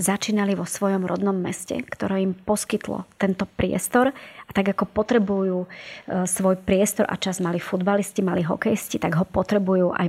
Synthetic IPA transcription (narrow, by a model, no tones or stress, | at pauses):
zat͡ʃiːnaliʋɔsʋɔjɔmɾɔ̰d̪nɔmːɛscɛ̰kt̪ɔɾɛːimpɔskit̪lɔ̰t̪ɛnt̪ɔpɾɪɛ̰st̪ɔɾat̪aɡakɔpɔt̪ɾɛbujuːsʋɔjpɾɪɛst̪ɔɾʔa̰t͡ʃazmalifud̪baliscimaliɦɔ̰kɛjscit̪aɡɦɔpɔt̪ɾɛbujuːʔa̰j